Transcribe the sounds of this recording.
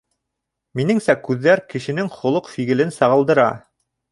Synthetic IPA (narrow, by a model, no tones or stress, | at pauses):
minɘŋsækʉðːæɾkɘ̆ʃɘ̆nɘŋχŏlˠɤqfiɣɘ̆lɘnsɑʁɤ̆lˠd̪ɤ̆ɾɑ